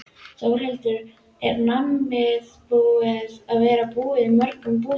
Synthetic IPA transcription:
θaːwr̥ɛlt̪ʏɾ | ɛɾnamːɪðpuːɪðaðvɛːɾapuːɪðɪmœɾkʏmp̬uː

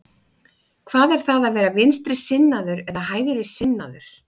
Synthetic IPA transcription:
kʰv̥aːðɛɾ̥θaðaðvɛːɾavɪnst̪ɾɪsɪnːaðʏɾɛðahaːjðɪɾɪsɪnːaðʏɾ̥

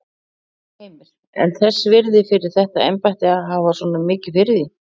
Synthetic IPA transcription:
mɪɾ | ɛ̰nθɛsːvɪɾðɪfɪɾɪɾ̥θɛht̪aejmpajht̪ɪaɦavasɔːnamɪːcɪfɪɾðɪ

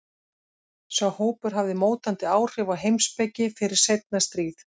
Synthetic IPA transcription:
svawhoːwpʏɾ̥ɦavðɪmoːwt̪ant̪ɪaːwr̥ʏvaɦejmspɛcːɪfɪɾɪɾ̥sejt̪̚nast̪ɾiːθ

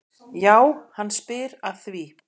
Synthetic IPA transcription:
jaːwhanːspɪːɾaðθvi

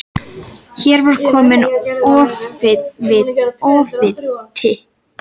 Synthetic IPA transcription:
çɛɾvaɾ̥kʰɔːmɪnɔːfɪvɪðɔːfɪt̪ʰɪ

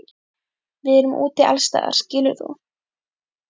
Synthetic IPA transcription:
vɪðɛɾʏmʔṵːt̪ɪa̰lst̪a̰ːða̰ɾ̥scɪːlʏɾθṵ

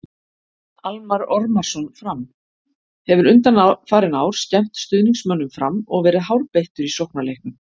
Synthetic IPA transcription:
almaɾɔɾmḁsɔnfɾam | hɛvʏɾʏnt̪anafaːɾɪnaːwɾ̥scɛm̥t̪st̪ʏðniŋsmœnːʏmfɾamːɔɣvɛːɾɪðɦawɾpejht̪ʏɾisowhknalejhknʏ

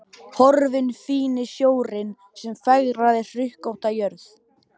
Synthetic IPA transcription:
hɔɾvɪnfiːnɪsjoːwɾɪn | sɛmfaɣɾaðɪrr̥ʏhkowht̪ajœɾθ

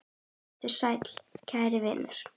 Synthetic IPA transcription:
t̪ʏɾ̥sajt̪l̥cʰaːjɾɪvɪ̰ːnʏ̰ɾ̥

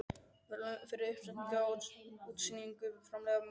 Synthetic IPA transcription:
vɛɾlfɪɾɪɾʏhpsɛn̥cauːt̪siniŋkʏfɾamlɛɣam

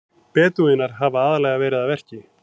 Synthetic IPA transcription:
pɛːt̪uɪnːaɾ̥ɦavaaːðalɛɣavɛːɾɪðavɛr̥cɪ

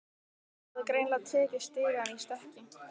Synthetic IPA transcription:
aðkɾejnlat̪ʰɛːcɪst̪ɪːɣanist̪ɛhcɪ

